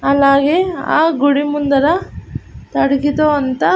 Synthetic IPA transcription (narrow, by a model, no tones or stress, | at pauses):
ɐlːaːɡea̰ːɡuɽimund̪ɐɾɐ | t̪ɐɽɐkit̪oːɐnt̪ɐ